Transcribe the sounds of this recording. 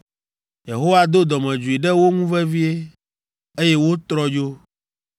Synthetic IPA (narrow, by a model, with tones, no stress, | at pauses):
je˨ɦo˦wa˦d̪o˦d̪ɔ˨mɛ̃˨d͡ʒu˨i˨ɖɛ˦wo˦ŋũ˦vɛ˦vi˦e˦ | e˦jɛ˦wo˦t̪ɾɔ˦d͡ʒo˦